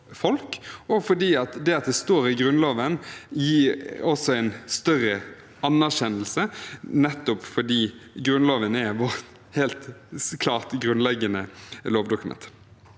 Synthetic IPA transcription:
fɔlkɔfɔd̪iːɑt̪d̪ɛɑt̪̚d̪ɛst̪oːɾɪɡɾʉnloːʋənjiːɾɔsɔæɪnst̪œʁə | ɑnːæʁʃɛnːəl̩sənɛt̪ːʊpfɔd̪iːɡɾʉnloːʋənæʋɔɾt̪ | heːlt̪kʰlɑːʁt̪ɡɾʉnlɛɡːənəloːʋd̪ʊkʉmɛ̰nt̪

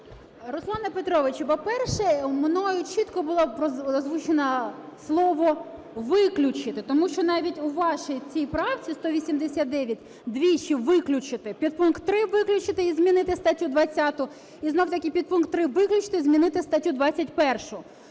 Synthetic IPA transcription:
ɾɔslˠɑnɐpet̪ɾɔʋɪt͡ʃpɔpɛrʃɛmnɔjʊt͡ʃit̪kɔbʊlˠɔpɾɔɐzʋut͡ʃenɐslˠɔʋɔ | ʋɪklʲʊt͡ʃɪt̪ɪt̪ɔmuʃt͡ʃɔnɑʋʲitʲʊʋɑʃit͡sʲijpɾɑwt͡sʲist̪ɔʋʲisʲimd̪esʲat̪̚d̪ɛʋʲjɐtʲ | d̪ʋʲit͡ʃiʋɪklʲʊt͡ʃɪt̪ɪpʲid̪̚punkt̪ːɾɪʋɪklʲʊt͡ʃɪt̪ɪizmʲinɪt̪ɪst̪ɐtʲud̪ʋɐt͡sʲːɑt̪ʊ | iznɔwt̪ɐkʲijpʲid̪̚punk̚t̪ːɾɪʋɪklʲʊt͡ʃɪ̥t̪ɪzmʲinɪt̪ɪst̪ɐtʲud̪ʋɑt͡sʲːɐtʲpɛrʃʊ

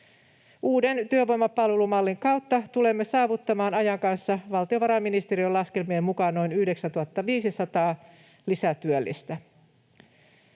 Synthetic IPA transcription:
ʔuːde̞nt̪yøʋo̞jmɑpɑlʋe̞lumɑlːiŋkɑuwt̪ːɑt̪ule̞mːesɑːʋut̪ːɑmɑːnɑjɑŋkɑnsːɑʋɑlt̪ioʋɑɾɑminist̪eɾiolɑske̞lmiemmukɑnnoinyhdeksænt̪uhɑt̪ːɑʋiːsisɑt̪ɑː | lisæt̪yølːḭst̪æ

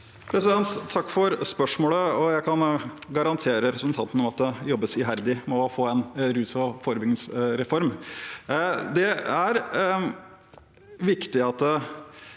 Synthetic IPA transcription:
pʰɾɛsɪd̪ɛnt̪ʰːɑkːfɔɾspœʂmoːləɔjæɪkʰɑnɡɑɾɑnt̪ʰeːɾəɾɛpsɾs̩n̩t̪ʰɑnt̪ən̩ɔmɑt̪̚d̪ɛjɔbːəsɪɦæɾd̪ɪmɛɔfoːɛnɾʉːsɔfoːɾəbʏɡnɪŋsɾɛfɔɾm | d̪ɛæɾ | ʋɪkt̪ɪɑt̪ː

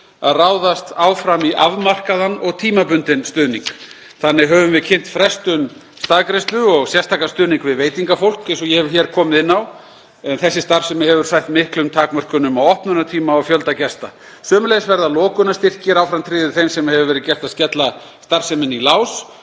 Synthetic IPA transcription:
a̰ðraːwðast̪aːwfɾamiʔa̰vmar̥kaðanɔɣt̪ʰiːmapʏnt̪ɪnst̪ʏːðniŋk | θanːɪɣɦœːvʏmvɪðcʰɪnt̪fɾɛst̪ʏn | st̪aːðkɾɛst̪lʏɔɣsjɛst̪ʰaːkast̪ʏːðniŋkvɪðveːjt̪iŋkafowl̥kɛnsɔjɛhɛvʏ̥çɛɾkʰɔːmɪðɪnːaw | ɛnθɛsːɪst̪aɾ̥sɛmːɛhɦɛvʏɾ̥sajht̪mɪhklʏmt̪ʰaːkmœr̥kʏnʏmawɔhpnʏnat̪ʰiːmaɔfjœlt̪acɛst̪a̰ | sœːmʏlejsvɛɾðalɔːkʏnast̪ɪr̥cɪɾawfɾamt̪ʰɾɪːðʏɾθejmsɛmhɛvʏvɛːɾɪðcɛr̥t̪aðscɛt̪la | st̪aɾ̥sɛmɪnilaːws

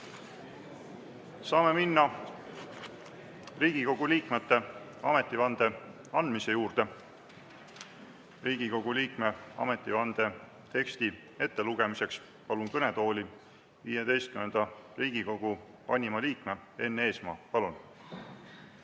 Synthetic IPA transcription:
sɑːme̞minːɑ | riːɡ̥iko̞ɡ̥uliːkme̞t̪ːe̞ɑme̞t̪ːˑivɑnd̪̥e̞ | ɑnd̪̥mise̞juːrd̪̥e̞ | riːɡ̥iko̞ɡ̥uliːkme̞ɑ̰me̞t̪ːˑivɑnd̪̥e̞ | t̪e̞kst̪i | e̞t̪ːe̞luɡ̥e̞mise̞ks | pɑlunkɤne̞t̪o̞ːlʲi | viːjed̪e̞jst̪̚kymend̪̥ɑriːɡ̥iko̞ɡ̥u | vɑnʲimɑliːkme̞e̞nːe̞ːsmɑ̰ːpɑlun

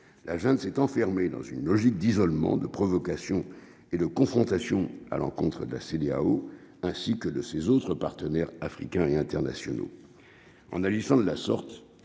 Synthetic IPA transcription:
lʔaʒɛ̃d̪sɛt̪ɑ̃fɛʁmed̪ɑ̰̃zynlɔʒik̚d̪izɔlmɑ̰̃d̪əpχɔvɔkasjɔ̃ | ed̪əkɔ̃fχɔ̃t̪asjɔ̃a̰lɑ̃kɔ̃t̪χəd̪əla̰sed̪ea̰o | ɛ̃sikəd̪əsezot̪χəpaʁt̪ənɛʁafχikʲɛ̃eɛ̃t̪ɛʁna̰sjɔno̰ | ɑ̰̃naʒisɑ̃d̪əlasɔʁt̪

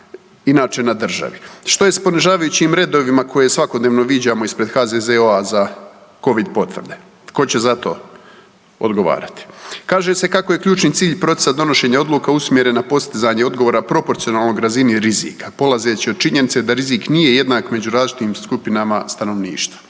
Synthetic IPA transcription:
inaːt͡ʃe̞nad̪r̩ʒa̰ʋiʃt̪o̞je̞spo̞niʒaːʋajut͡ɕimɾe̞d̪o̞ʋimakʰo̞je̞sʋako̞d̪neːʋno̞ʋid͡ʑamo̞ispɾe̞d̪xaːd̪ezeoazako̞ʋid̪po̞t̪ʋr̩d̪e̞ | ko̞t͡ɕe̞zat̪o̞̰ː | o̰d̪ɡo̞ʋa̰ːɾat̪i̥kaːʒe̞se̞kako̞jekʎuːt͡ʃnit̪siːʎpɾo̞t̪sesad̪o̞no̞ʃe̞ːɲao̞d̪lˠuːkausmʲje̞ɾe̞napo̞st̪izaːɲeo̞d̪ɡoʋo̞ːɾapɾo̞po̞ɾt̪sijo̞naːlˠno̞ɡɾaziniɾizḭːkḁpo̞lˠaze̞ːt͡ɕiod̪̥̚t͡ʃiɲe̞nit̪sed̪aɾiziknije̞je̞d̪naːkme̞d͡ʑuɾaːzlit͡ʃit̪iːmskupinamast̪ano̞ʋnḭːʃt̪ʋḁ

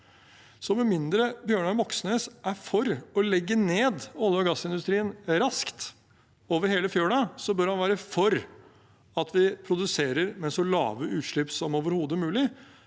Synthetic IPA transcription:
sɔmɛmɪnd̪ɾəbjøːɳɑmɔksnəːsʔæɾfɔɾɔlɛɡːəneːd̪ɔlːəɔɡɑsːɪnd̪ʉst̪ɾiːənɾɑskt̪ | oːʋəɾheːləfjøːɳɑsɔbœɾhɑnʋæːɾəfɔɾ | ɑt̪ʰʋɪpʰɾʊd̪ʉseːɾəɾmɛsɔlɑ̰ːʋəʔʉːt̪ʂɭɪpsɔmoːʋəɾhuːd̪əmʉːlɪ

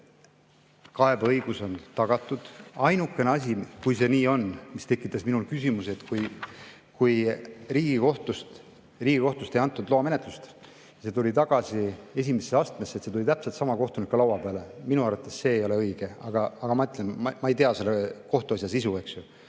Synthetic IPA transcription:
kɑe̞bɤjɡ̥uso̞nt̪ɑɡ̥ɑt̪ːˑud̪̥ɑjnukːˑe̞neɑsʲikujse̞niːo̞nmist̪e̞kːˑit̪ːˑɑsminulkysʲimuset̪kuj | kujriːɡ̥iko̞ht̪ust̪ | riːɡiko̞ht̪ust̪e̞jɑnt̪ːˑud̪loːme̞ne̞t̪lust̪ | se̞t̪ulʲit̪ɑɡ̥ɑsie̞s̬ʲimesːeɑst̪me̞sːet̪se̞t̪ulit̪æpset̪sɑmɑko̞ht̪unikːulɑwɑpeɑleminuɑrvɑt̪ːˑe̞sːe̞ːjo̞le̞ɤjɡ̥e̞ɑɡ̥ɑɑɡ̥ɑmɑyt̪ːˑlenmmɑe̞jt̪eɑse̞lːeko̞ht̪uɑsʲjɑsisue̞ksju

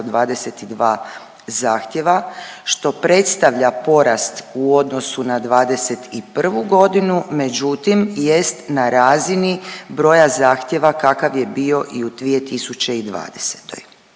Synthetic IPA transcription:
d̪ʋaːd̪e̞set̪id̪ʋaː | zaːxt̪je̞ʋaʃt̪o̞pɾe̞t̪st̪aʋʎapo̞ɾast̪uo̞d̪no̞sunad̪ʋaːd̪e̞se̞t̪ipr̩ʋuɡo̞d̪inume̞d͡ʑut̪imje̞st̪naɾaːzinibɾo̞jazaːxt̪je̞ʋakakaʋje̞bio̞ʔiud̪ʋije̞t̪isut͡ɕe̞id̪ʋa̰ːd̪ese̥t̪o̞̰j

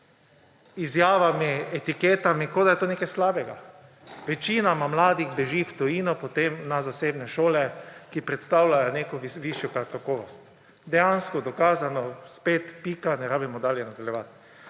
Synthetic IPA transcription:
izjaːʋamiɛt̪ikeːt̪amikod̪ajɛt̪oːnekajslaːbɛɡa | ʋɛt͡ʃiːnamamlaːd̪iɣbɛʒiwt̪ɔjiːnɔpɔt̪emnazaseːbnɛʃoːlɛkipɾɛt̪st̪awlajɔneːkɔiʋiʃjɔkakakɔːʋɔst̪ | d̪ɛjanskɔd̪ɔkaːzanɔspeːt̪piːkanɛɾaːbimɔd̪aːljɛnad̪aljɛʋat̪

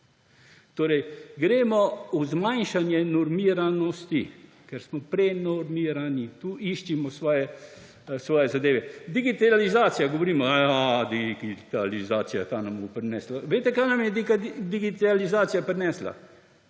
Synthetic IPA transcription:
t̪oːɾɛjɡɾeːmɔuzmajnʃanjɛnɔɾmiːɾanɔst̪i | kɛɾsmɔpɾɛnɔɾmiːɾanit̪uːʔiʃt͡ʃimɔsʋɔːjɛ | sʋɔːjɛzad̪eːʋɛd̪iɡit̪alizaːt̪sijaɡɔʋoɾiːmɔjad̪iɡiɡit̪alizaːt̪sija̰t̪aːnambɔpɾɛnɛːslaʋejt̪ɛkajnamjɛd̪ikad̪iɡit̪alizaːt̪sijapɾɛnɛːsla̰

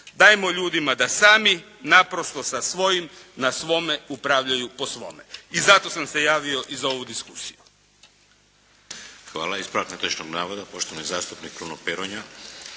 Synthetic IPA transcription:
d̪aːjemoʎuːd̪imad̪asaːmi | napɾo̞st̪o̞sasʋo̞jimnasʋo̞me̞upɾaʋʎajupo̞sʋo̞̰meizat̪o̞samse̞jaːʋio̞ʔizaoʋud̪iskusiju | xʋa̰ːlaispɾaknat̪ot͡ʃnoɡnaːʋod̪apo̞ʃt̪oʋanijizaːst̪upnik̚pɾunopeɾoɲa

